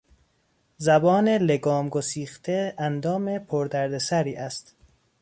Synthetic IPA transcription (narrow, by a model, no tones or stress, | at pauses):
zæbɒːne̞le̞ɡɒːmɡosiːxt̪ʰeænd̪ɒːme̞pʰoɾd̪æɾd̪e̞sæɾiːʔæst̪